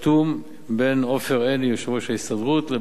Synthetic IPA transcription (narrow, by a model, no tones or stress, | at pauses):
t̪um | beno̞feʁenijoʃvoʃeist̪adʁut̪le